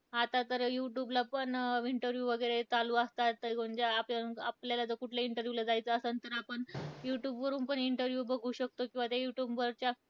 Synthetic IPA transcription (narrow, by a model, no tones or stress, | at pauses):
at̪at̪əɾjuʈjuːblapəɳiɳʈəɾʋjuːʋəɡəɾet͡saluːəst̪at̪ːəɡoɳd͡ʑaːplaapljalad͡zəkuʈʰljaiɳʈəɾjulad͡zajt͡səːsənt̪əɾapəɳjuʈjuːbʋəɾuːnpəɳiɳʈəɾʋjuːbəɡʱuːɕək̚t̪okĩʋat̪jajuʈjuːbʋəɾt͡ɕja